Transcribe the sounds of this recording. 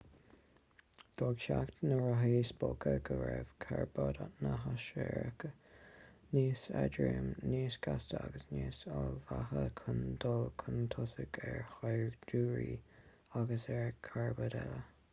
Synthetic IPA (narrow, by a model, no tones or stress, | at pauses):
d̪̥ɔɡʃaktnəɹaɦiːsb̥okəɡəvɛv̥kʰaɹbɔdanəɦaʃɛɹəkə | niːsɛdɹemniːsɡ̥astəaɡəsniːsalvahəkʰənd̪ɔlkʰənt̪ʰʊsəɡɛɹxajɹduːɹi | aɡəsɛɹkʰaɹbədɛlə